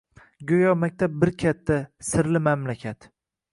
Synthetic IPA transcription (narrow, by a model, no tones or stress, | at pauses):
ɡʲojɒmak̚ʲt̪ʰab̚bɪɾkʲʰat̪ʰːasɪɾlɪmamlakʲʰat̪